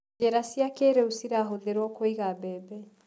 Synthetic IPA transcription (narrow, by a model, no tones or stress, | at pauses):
ɛɾasjakeɾeusiɾaɦoðeɾwɔkoiɣabɛːbɛ